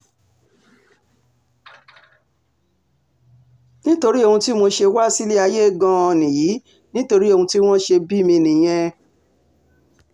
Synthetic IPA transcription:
nĩ˦to˧ɾi˦o˧hũ˧ti˦mo˧ʃe˧wa˦si˦li˦a˧je˦˨ɡã˧˦ɔ˧nĩ˨jiː˨˦ | nĩ˦to˧ɾi˦o˧hũ˧ti˦w̃ɔ̃˦ʃe˧bi˦mĩ˧nĩ˨j̃ɛ̃˧

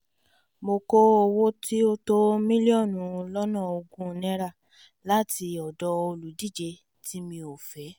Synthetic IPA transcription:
mo˧ko˦o˧wo˦ti˦o˦to˦mĩ˦li˦ɔ˦˨nũ˨˦˧lɔ˦nã˦˨o˧ɡũ˦˧nɛ̃˦˧˦ɾa˦˨ | la˦ti˧ɔ˨dɔ˧o˧lu˨di˦˨d͡ʒe˧ | ti˦mĩ˧o˨fɛ˨˦

